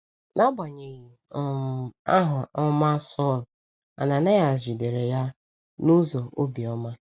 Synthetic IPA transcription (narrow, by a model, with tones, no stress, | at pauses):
na˦ɡ͡ba˨ɲe˨ɣi˨˦ | a˦ɦʊ˨ʔɔ˦ma˦sɔ˦˨l | a̰˨na˨na˦ja˨zʷi˨de˨ɾe˨ja˦ | nu˦zo˨ʔo˦bi˨ɔ˦ma˦